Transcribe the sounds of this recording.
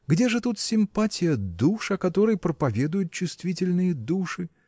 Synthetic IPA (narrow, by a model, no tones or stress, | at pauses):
ɡdʲeʐɨt̪ut̪sʲɪmpatʲɪjəd̪uʂɐkɐt̪o̞ɾəjpɾəpɐvʲe̞d̪ʊjʊt̪̚t͡ɕːʊst̪vʲitʲɪlʲnɨjəd̪uʂɨ